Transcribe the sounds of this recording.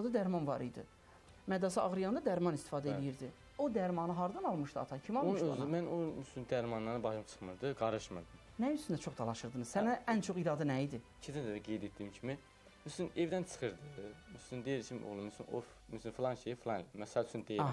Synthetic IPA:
d̪ɑd̪æɾmɑnvɑɾḭjd̪ɯ̰ | mæd̪ɑsiɑɣɾijɑnd̪ɑd̪æɾmɑnist̪i̥fɑːd̪æelijiɾd̪i | od̪æɾmɑnɯɦɑɾd̪ɑnɑlˠmɯʃd̪ɯɑ̰t̪ʰɑcʰimiɑlˠomøzmænonysynd̪æɾmɑnːɑɾnɯbɑʃɯmt͡ʃʰɯ̥χmɯɾd̪ɯɡɑɾɯʃmɯɾd̪ɯm | næjyst̪ynd̪æt͡ʃʰo̞χd̪ɑlˠɑʃɯɾd̪ɯnɯzsænæænt͡ʃʰo̞χiɾɑːd̪ɯnæjid̪i | t͡ʃʰid̪ænd̪æɡejd̪et̪̚d̪iimcʰimi | myslinevd̪ænt͡ʃʰɯ̥χɯɾd̪ɯmyslynd̪ejiɾt͡ʃʰimo̰lˠɯmysyno̰ɾf | myslynflˠɑnʃejiflˠɑnmɛsææt͡ʃʰynd̪e

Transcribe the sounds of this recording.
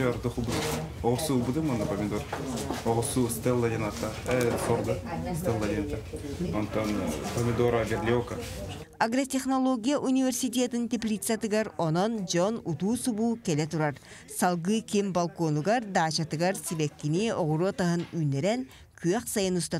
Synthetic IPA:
aɾd̪uxubd̪ɨ | oʁsubud̪ɯmond̪ɐpomʲɪd̪oɾoʁosust̪elˠːɐd̪ʲenat̪asoɾd̪ɯst̪elˠːad̪ʲenat̪a | ont̪ːonpomʲɪd̪oɾaɡʲeɾlʲioka | aɡrɐt̪ʲeχnolˠoɡʲijaʔunʲivʲe̞rsʲit̪ʲet̪int̪ʲeplʲit̪sat̪ɯɡɑɾonond͡ʒonut̪uːsubuːkelet̪uɾɑɾ | sɑlˠɣɯkimbalˠkonuɡaɾd̪aːt͡ʃat̪ɯɡɑɾsʲibekːinioʁuɾot̪aɦɯnyːneɾen | kʰyjøqsɑjɯnust̪ɑ

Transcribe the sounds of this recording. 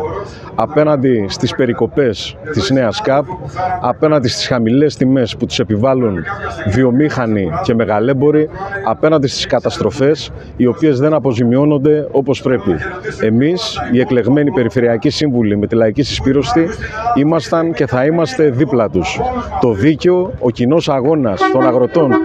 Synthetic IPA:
ɐpe̞nɐnd̪ist̪ispe̞ɾiko̞pe̞st̪izne̞ɐskɐp̚ɐpe̞nɐnd̪ist̪i̥sxɐmile̞st̪ime̞sput̪u̥se̞pivɐlunðio̞mixɐnice̞me̞ɣɐle̞bo̞ɾiɐpe̞nɐnd̪ist̪i̥skɐt̪ɐst̪ɾo̞fe̞s | io̞pie̞zðe̞nɐpo̞zimio̞no̞nd̪e̞o̞po̞spɾe̞pie̞misie̞kle̞ɣme̞nipe̞ɾife̞ɾiɐcisiɱvulime̞t̪ilɐicisispiɾo̞st̪iimɐst̪ɐnce̞θɐimɐst̪e̞ðiplɐt̪ust̪o̞ðiceo̞ːcino̞sɐɣo̞nɐst̪o̞nɐɣɾo̞t̪o̞n

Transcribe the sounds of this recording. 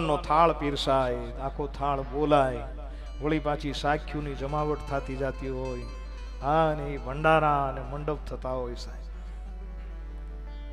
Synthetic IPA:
nːot̪ʰaɭpiɾsaj | akʰot̪ʰaɭbolaj | ʋəɭipãt͡ʃisakʰːjũnid͡ʒəmaʋəʈt̪ʰat̪id͡ʒat̪iɦoj | ɦaəneibʱəɳɖaɾãəneməɳɖəb̚t̪ʰət̪aɦojsaj

